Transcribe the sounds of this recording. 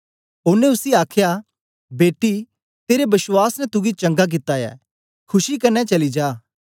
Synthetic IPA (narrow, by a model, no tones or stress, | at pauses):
ʊnẽʊsiaːkʰja | beːʈːi | t̪eːɾebɐswaːsnɛ̃t̪ʊɡit͡ʃɐ̃ŋɡak̬ɪt̪ːajɛ̰ː | kʰʊʃikɐnːɛt͡ʃɐlid͡ʒaː